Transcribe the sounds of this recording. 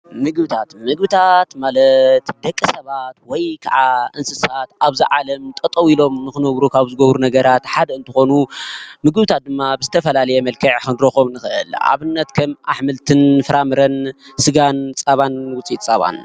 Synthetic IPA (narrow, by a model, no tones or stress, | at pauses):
mɨɡbɨt̪ʰat̪mɨɡ̚bɨt̪ʰat̪malɐt̪d̪ɐkʼːɨsɐβat̪wɔjkʰa̰ʕaʔɨnsɨsat̪ʔaβziʕalɐmt̪ʼɐt̪ʼɐwilo̞mnɨxɨnɐβɾukʰaβzɨɡɐβɾunɐɡɐɾat̪ħad̪ɐɨnt̪ʰɨxo̞numɨɡbɨt̪ʰat̪̚d̪ɨmːabɨzɨt̪ʰɐfɐlalɐjɛmɐlkʰɐʕxɨnɾoxoβnɨxɨʔɨ̰la̰βɨnːɐt̪kʰɐmʔa̰ħmɨlt̪ʰɨnfɨɾamɨɾɐnsɨɡant͡sʼaβanwʊt͡sʼit̪ʼt͡sʼːaβa̰n